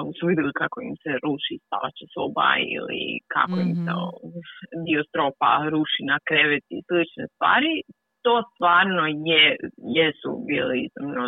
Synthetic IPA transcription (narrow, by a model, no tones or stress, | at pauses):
misuʋid̪ɛlikakoḭmseɾuːʃist̪a̰ʋa̰t͡ɕesoba̰ḭlḭkʰa̰koimsḛod̪iost̪ɾoːpa̰ɾuːʃinakɾeʋet̪islit͡ʃnest̪ʋa̰ːɾi | t̪o̞ːst̪ʋaːɾnojejesṵbiːliizimno